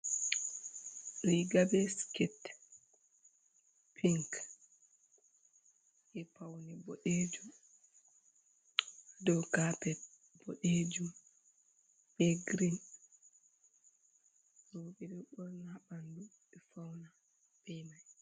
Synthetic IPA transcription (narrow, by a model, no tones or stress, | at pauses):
liɡabɛskit | pʰiŋk | ʔɛpawnibɔɗed͡ʒum | dɔwkapɛ | b̥oɗed͡ʒum | bɛɡɾin | ɾoːɓiɗɛɓɔɾŋaɓanduɛfawna | b̥ɛmaj